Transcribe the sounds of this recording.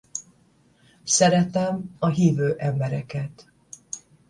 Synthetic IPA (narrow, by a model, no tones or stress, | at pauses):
sɛɾɛt̪ɛmɒɦiːvøːʔɛmbɛɾɛkɛt̪